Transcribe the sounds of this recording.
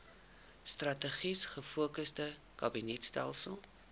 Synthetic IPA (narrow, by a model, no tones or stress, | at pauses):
strɐtəχisχəfuəkəsdə | kɐbinɛtstɛ̰lˠsəlˠ